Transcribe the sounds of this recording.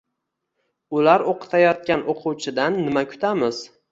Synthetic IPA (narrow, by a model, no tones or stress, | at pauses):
ʊlaɾoqʰɨ̥t̪ʰajɒt̪̚kʲanʔoqʰʊwt͡ʃʰɪd̪anːɪmakʲʰʊ̥t̪ʰamɪz̥